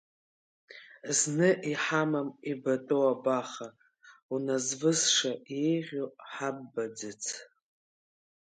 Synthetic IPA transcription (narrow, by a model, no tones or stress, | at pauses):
znɨʔiħamamibatʼowabaχa | unazvɨzʂaejʁʲoħabːad͡zɨt͡sʰ